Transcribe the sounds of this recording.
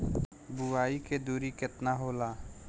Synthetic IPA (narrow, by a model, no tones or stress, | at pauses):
buaːiked̪uːɾikɪt̪naɦoːlaː